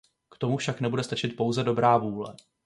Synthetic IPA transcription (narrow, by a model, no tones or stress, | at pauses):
kt̪o̞mufʃaknɛbudɛst̪at͡ʃɪt̪̚po̞wzɛdo̞bɾaːvuːlɛ̰